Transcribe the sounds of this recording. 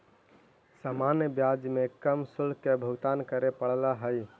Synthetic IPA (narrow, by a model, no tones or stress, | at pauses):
samanjəbjad͡ʒmekəmsulkebʱəɡt̪ankəɾepəɽlaɦəj